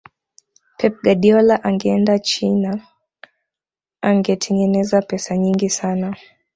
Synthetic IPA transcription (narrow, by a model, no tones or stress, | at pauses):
pʰɛp̚ɡaɗiɔlaʔaŋɡɛɛndat͡ʃina | aŋɡɛtʰɛŋɡɛnɛzapɛsaɲiŋɡisana